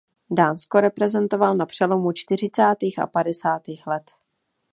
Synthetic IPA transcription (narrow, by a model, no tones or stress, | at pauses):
daːnskoɾɛpɾɛzɛnt̪o̞valnapr̝̥ɛlo̞mut͡ʃt̪ɪr̝ɪt͡saːt̪iːxa̰padɛsaːt̪iːxlɛt̪